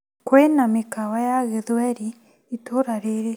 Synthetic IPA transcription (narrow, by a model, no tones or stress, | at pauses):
kwenamekawajaɣeðwɛɾi | itoɾaɾeɾe